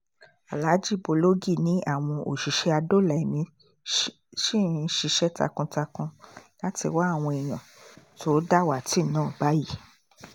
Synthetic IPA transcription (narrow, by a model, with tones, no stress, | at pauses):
a˨la˨˦d͡ʒi˦˨bo˧˨lo˦ɡi˦˨nĩ˨˦a˦˨w̃ɔ̃˧ʔo˨ʃi˨ʃɛ˧a˧do˦˨lɛ˨mĩ˧ | ʃi˦˨ĩ˧˦ʃi˧ʃɛ˦ta̰˧kũ˧ta˧kũ˧la˦ti˧wa˦a˦˨w̃ɔ̃˧i˨j̃ã̰˨tʰo˦da˦˨wa˨ti˦˨nãː˦˨ba˨˦ji˦˨